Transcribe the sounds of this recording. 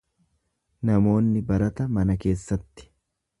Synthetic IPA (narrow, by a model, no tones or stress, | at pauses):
nɐmo̞ːnːɪbɐɾɐt̪ɐmɐnɐke̞ːsːɐt̪ːɪ̥